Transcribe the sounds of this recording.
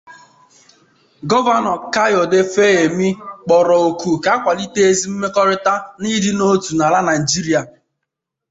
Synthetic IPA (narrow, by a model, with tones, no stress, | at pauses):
ɡɔ˦va˦nɔ˨ka˦jo˨de˦fe˦e˨mi˦k͡pɔ˨ɾɔ˨o˨ku˨ka˦kʷa˨li˦te˦e˦zi˦m̩˦me˦kɔ˦ɾɪ˦ta˦ni˦dɪ˦no˦tu˨na˨la˦na˨i˨d͡ʒi˦ɾi˦a˨